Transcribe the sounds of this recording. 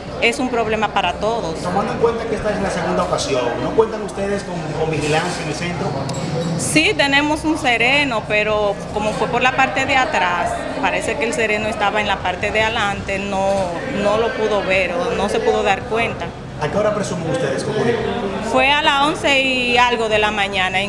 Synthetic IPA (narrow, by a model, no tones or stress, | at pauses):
e̞sumpɾo̞βle̞mapaɾat̪o̞ðo̞st̪omãnd̪oeŋkwe̞nt̪akeest̪aesenlaseɣund̪aokasjoŋnokwe̞nt̪aŋust̪eðeskoŋkombixilansjanelsent̪ɾo | sit̪e̞ne̞mo̞sunse̞ɾeno̞pe̞ɾo̞ko̞mo̞fwe̞po̞ɾlapaɾt̪e̞ðeat̪ɾas | paɾe̞se̞ke̞ːlse̞ɾe̞no̞est̪aβaenlapaɾt̪e̞ðealant̪e̞no | no̞lo̞puðo̞βeɾono̞se̞puðo̞ðaɾkwe̞nt̪a | akeaoɾapɾesumeŋust̪eðeskomoefwe̞alasonseiialɣo̞ðe̞lamãɲãnae